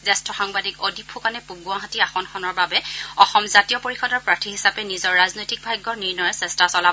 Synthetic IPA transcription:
zastʰɔxaŋbadikɔdipʰukanɛpuɡuaɦatiaxɔnxɔnɔɹbabɛɔxɔmzatijɔpoɹixɔdɔɹpɹatʰiɦisapɛnizɔɹːaznojtik̚bʱajɡːɔɹniɹnɔjɔsɛstasɔla

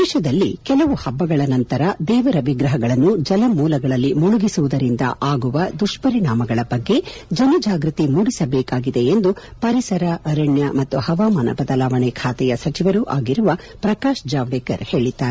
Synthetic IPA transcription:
iʃɐd̪ɐlːikɛlɐʋuhɐbːɐɡɐɭɐnɐnt̪ɐɾɐd̪ɛːʋɐɾɐʋiɡɾɐɦɐɡɐɭɐnːud͡ʒɐlɐmuːlɐɡɐɭɐlːimuɭuɡisuʋud̪ɐɾind̪ɐ̰ʔaːɡuʋɐd̪uʂpɐɾiɳaːmɐɡɐɭɐbɐɡːe̞d͡ʒɐnɐd͡ʒaːɡɾut̪imuːɽisɐbɛːkaːɡid̪e̞ːnd̪upɐɾisɐɾɐʔɐɾɐɳjɐmɐt̪ːuhɐʋaːmaːnɐ̰bɐd̪ɐlaːʋɐɳɛkʰaːt̪ɛjɐsɐt͡ʃiʋɐɾuʔa̰ːɡiɾuʋɐ | pɾɐkaːʃd͡ʒaːʋɖeːkɐɾhe̞ːɭid̪ːaːɾe

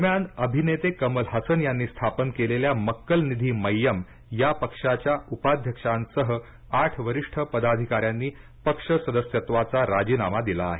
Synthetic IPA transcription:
d̪əɾmjanəbʱinet̪ekəməlɦəsənjanːiːst̪ʰapənkeleljaməkːəlnid̪ʱiːməjːəm | japəkʂat͡ɕjaupad̪ʱjəkʂansəɦə | aʈʰʋəɾiʂʈʰəpəd̪ad̪ʱikaɾjanːiːpəkʂəsəd̪əsjət̪ʋat͡saɾad͡ʑiːnamad̪ilaːɦe

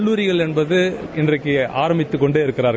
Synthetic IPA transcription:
ɭːuːɾɪɣɐɭɛnbɐðɯɪndrɐɪkːɯʔaːɾɐmbɪt̪ːɯkːɔɳɖeːɪɾɯkːɪɾaːɾɣ

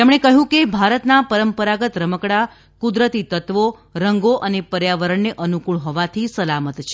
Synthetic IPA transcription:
t̪emɽ̃ekəɦjũkebʱaɾət̪napəɾəmpəɾaɡət̪ɾəməkɽa | kud̪ɾət̪it̪ət̪ʋo | ɾəŋɡoʔənepəɾjaʋəɾəɳneʔənukuɭɦɔʋat̪ʰisəlamət̪t͡ʃʰe

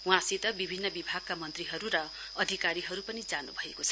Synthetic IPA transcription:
w̃ãsit̪ʌbibʱinːʌbibʱaɡ̚kamʌnt̪riɦʌɾuɾʌ | ʌd̪ʱikaɾiɦʌɾupʌnid͡zanṵbʱʌekot͡sʰʌ̥

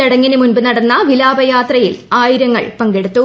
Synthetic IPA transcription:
ɐɽɐŋːinumunbɨnɐɽɐnːɐʋilaːbɐjaːt̪rɐjḭlaːjiɾɐŋːɐ̰ɭpɐŋɡe̞ɽut̪ːu

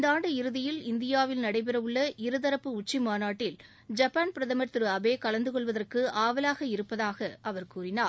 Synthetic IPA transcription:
nd̪aːɳɖɯɪɾɯðɪjɪlɪnd̪ɪjaːʋɪlnɐɽɐɪp̬ɪrɐʋɯɭːɐɪɾɯðɐɾɐpːɯʊt͡ʃːimaːnaːʈːɪl | d͡ʒɐpːaːnpɪɾɐðɐmɐɾt̪ːɯɾɯɐbeːkɐɭɐnd̪ɯkɔɭʋɐðɐrkɯaːʋɐlaːɣɐɪɾɯpːɐðaːɣɐʔɐʋɐɾkuːrɪnaː

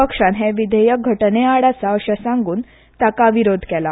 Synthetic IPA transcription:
əkʂãnɦeʋid̪ʱejək̚ɡʱəʈneaɽat͡saəɕasaŋɡuːn | t̪akaʋiɾod̪ʱkɛla

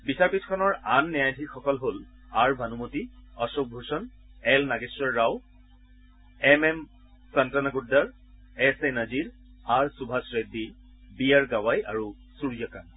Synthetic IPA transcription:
bisaɹpitʰkʰɔnɔɹanːɛjajdʱixɔkɔlɦol | aɹbʱanumotiɔsok̚bʱusɔn | ɛlnaɡesɹɔɹːaw | ɛmɛm | santanaɡudaɹ | ɛsenaziɹaɹsubʱasɹedːi | bijaɹɡawajaɹu | suɹijɔkan

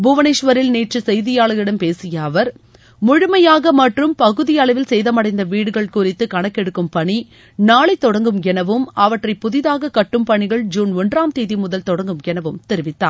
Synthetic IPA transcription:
bʊʋɐnɛːʂʋɐɾɪlneːʈrɯsɛjðɪjaːɭɯɣɪɽɐmpeːsɪjɐːʋɐɾ | mʊɻʊmɐjaːɣɐmɐʈrɯmpɐɣɯðɪjɐɭɐʋɪlsɛjðɐmɐɽɐɪnd̪ɐʋiːɽɯɣɐɭkuːɾɪt̪ːɯkɐɳɐkːɛɽɯkːɯmpɐɳi | naːɭɐɪt̪ːɔɽɐŋɡɯmɡɛnɐʋɯmɐʋɐʈrɐɪpːʊðɪðaːɣɐkɐʈːɯmpɐɳɪɣɐɭd͡ʒuːnɔnraːmt̪eːðimʊðɐlt̪ɔɽɐŋɡɯmɡɛnɐʋɯmt̪ɪɾɯʋɪt̪ːa̰ːɾ

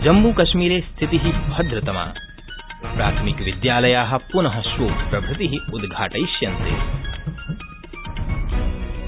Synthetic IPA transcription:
d͡ʒɐmbuːkɐʃmiːɾeːst̪ʰit̪iɦibʱɐd̪ɾɐt̪ɐma̰ː | pɾa̰ːt̪ʰmikʋɪd̪jaːlɐjaːɦɐ̆punɐɦɐʃʋoːpɾɐbʱut̪iɦiud̪ɡʱaːʈɐjʃjɐnt̪ḛː

